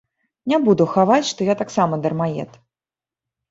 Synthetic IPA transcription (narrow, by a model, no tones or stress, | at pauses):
nʲabud̪uxavat͡sʲʂt̪ɔjat̪aksamɐd̪ɐrmajɛ̰t̪